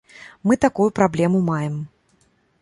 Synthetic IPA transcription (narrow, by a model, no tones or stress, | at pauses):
mɨt̪akujupɾablʲɛmumajɛm